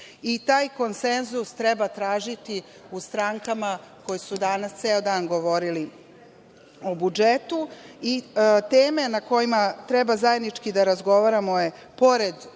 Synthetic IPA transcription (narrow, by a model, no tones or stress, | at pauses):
it̪aːjko̞nsenzust̪ɾɛbat̪ɾaːʒit̪i | ust̪ɾaŋkamako̞jesud̪anast̪seːod̪aːnɡoʋo̞ɾili | obud͡ʒet̪uit̪eːme̞nako̞jimat̪ɾɛbazaje̞d̪nit͡ʃkid̪aɾazɡo̞ʋaɾamoje | po̞ɾe̞d̪